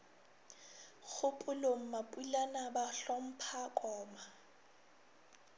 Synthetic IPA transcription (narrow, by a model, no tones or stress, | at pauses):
k͡xʰʊpʼʊlom̩mapʼulanabaɬɔm̩pʰakʼɔːma